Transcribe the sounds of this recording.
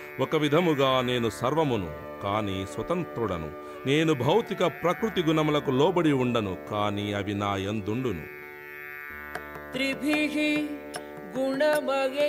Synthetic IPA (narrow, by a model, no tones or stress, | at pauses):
wɔkɐʋid̪ʱɐmuɡaːne̞ːnusɐɾʋɐmunṵ | kaːniːsʋɐt̪ɐnt̪ɾuɽɐnṵ | ne̞ːnubʱɐwt̪ikɐpɾɐkɾut̪iɡunɐmulɐkulɔːbɐɽiuɳɖɐnukaːniːɐbʱinaːjɐnd̪uɳɖunṵ | t̪ɾibʱiːɦi | ɡuɳɐmɐɡe